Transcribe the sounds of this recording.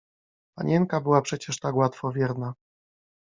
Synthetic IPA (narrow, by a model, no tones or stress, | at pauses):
pa̰ɲɛŋkabɘwapʂɛt͡ɕɛʂt̪akwat̪fɔvʲjɛɾna